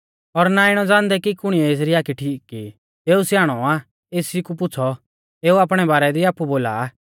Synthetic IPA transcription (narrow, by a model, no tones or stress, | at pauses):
ɔɾnaɪɽ̃ɔd͡zãːnd̪ɛkikʊɽ̃ijɛeːs̬ɾiaːkʰiʈʰiːkːi | eːusjaːɽ̃ɔaː | eːsikup̬ʊt͡sʰɔ | eːuaːpɽ̃ɛbaːɾɛd̪iaːpːuboːla̰